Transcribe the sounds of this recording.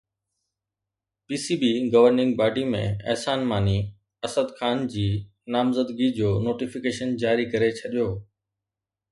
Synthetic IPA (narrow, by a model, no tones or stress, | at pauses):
piːsiːbiɡɐʋəɾnɪ̃ŋɡbaːɖimḛ̃ɛ̰ɦsaːnmaːni | ɐsəd̪xaːnd͡ʑiː | naːmzəd̪ɡid͡ʑoːnoːʈifɪkeːʃənd͡ʑaːɾikɐɾet͡ɕʰɐɗijoː